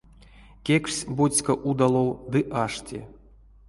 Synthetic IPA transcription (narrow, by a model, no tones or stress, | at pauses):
kʲeksʲbosʲkɐʔud̪alˠowd̪ɨʔaʂtʲʰḭ